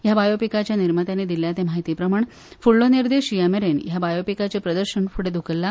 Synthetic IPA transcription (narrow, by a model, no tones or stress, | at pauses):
jabajopikat͡ɕjaniɾmət̪anid̪iljat̪emaɦit̪iːpɾəmaɳ | fuɭːoniɾd̪eɕiameɾenjabajopikat͡sepɾəd̪əɾɕənfʰuɽed̪ʱukəlːa